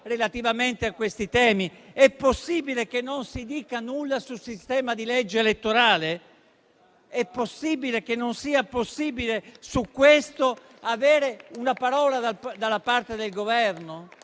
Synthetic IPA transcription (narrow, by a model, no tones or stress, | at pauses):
relat̪ivament̪eakːwest̪it̪ɛːmiɛpːosːiːbilekenːonsid̪iːkanulːasulsist̪ɛːmad̪ilɛd͡ʒːeːlet̪ːoɾaːle | ɛpːosːiːbilek̟enːonsiːaposːiːbilesukːwest̪o | avɛːɾeunapaɾɔːlad̪ad̪alːapart̪ed̪elɡovɛrno